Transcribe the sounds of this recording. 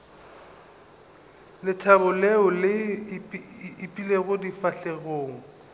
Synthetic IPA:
lɪtʰabʊleʊlɪ | pʼileɣʊdifaɬeɣoːŋ̩

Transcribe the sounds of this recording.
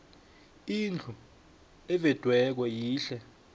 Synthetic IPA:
ind͡ɮʱʰu | ɛvɛd̥ʱwɛk̬wɛjiːɬɛ

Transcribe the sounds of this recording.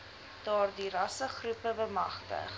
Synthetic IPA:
d̥ɑːrdirɐsəχrupəbəmɐχtə̰χ

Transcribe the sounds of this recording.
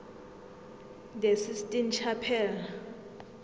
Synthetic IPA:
d̪ɛsistʼint͡ʃʰapʰɛla

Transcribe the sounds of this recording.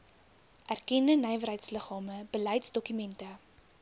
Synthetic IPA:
ʔærkɛndənɛjvəɾɦəjtsləχɑːməbəlɛjtsdɔkymɛntə

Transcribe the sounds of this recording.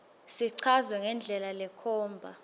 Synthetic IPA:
siǀʰazwɛŋɛnd͡ɮʱɛlalɛkʰɔːmbʱa

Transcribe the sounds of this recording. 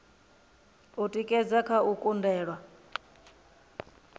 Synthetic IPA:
utʼikʼɛd͡zakʰaukʼundɛːɺwa

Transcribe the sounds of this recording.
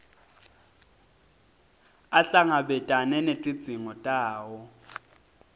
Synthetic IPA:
aɬaŋabɛtʼanɛnetʼi̥d͡zʱʼiŋɔtʼaːwɔ

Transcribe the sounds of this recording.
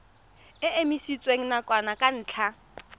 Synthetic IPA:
ɪemisit͡sʼweŋ̩nakʼwanakʼan̩ːt͡ɬʰa

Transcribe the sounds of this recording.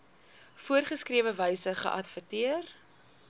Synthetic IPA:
fuərχəskriəvəvəjsəχə̰ʔɐtfərtiər

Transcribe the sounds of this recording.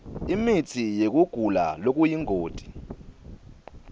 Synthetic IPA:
imit͡sʰijek̬uɡ̥ʱula̰lok̬ʼujiŋʱoːd̥ʱi

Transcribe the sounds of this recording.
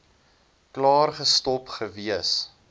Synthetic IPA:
klɑːrχəstɔpχəviəs

